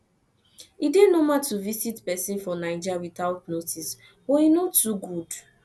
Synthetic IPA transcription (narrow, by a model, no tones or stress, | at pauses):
idenomatuvisitpɛsĩnfɔnãɪd͡ʒawiθaʊtnotʰis | boinotuɡud